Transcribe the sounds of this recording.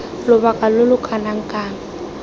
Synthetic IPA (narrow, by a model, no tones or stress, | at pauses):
lʊbakʼalʊlʊkʰanaŋ̩kʼaːŋ̩